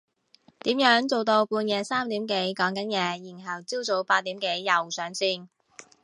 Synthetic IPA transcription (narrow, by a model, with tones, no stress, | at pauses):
t̪iː˨˥mjœː˨˥ŋt͡so˨˩wt̪o˧wpuː˧njɛː˨˩saː˥mt̪iː˨˥mke˨˥jkɔː˨˥ŋkɐ˨˥njɛː˨˧jiː˨˩nɦɐ˨˩wt͡siː˥wt͡so˨˧˥wpaː˧t̚t̪ːiː˨˥mke˨˥jːɐ˨wsœː˨˥ŋsiː˥˩n